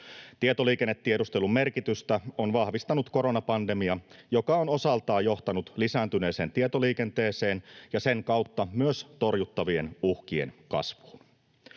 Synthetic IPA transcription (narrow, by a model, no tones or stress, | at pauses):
t̪iet̪o̞liːkenːet̪ːiedust̪e̞lumme̞rkit̪yst̪æonʋɑhʋist̪ɑnut̪ko̞ɾo̞nɑpɑnde̞miɑjo̞kɑono̞sɑlt̪ɑːjjo̞ht̪ɑnut̪lisæːnt̪yne̞ːseːnt̪iet̪oliːke̞nt̪e̞ːse̞ːnjɑse̞ŋkɑwt̪ːɑmyøst̪o̞rjut̪ːɑʋienuhkiḛnkɑ̰sʋu̥ːn